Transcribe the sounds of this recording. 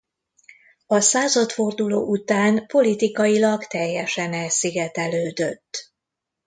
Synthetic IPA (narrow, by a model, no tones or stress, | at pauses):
ɒsaːzɒt̪fo̞rd̪ulo̰ːʔut̪aːnpo̞lit̪ikɒjilɒkt̪ɛjːɛʃɛnɛsiɡɛt̪ɛløːd̪ø̞t̪ː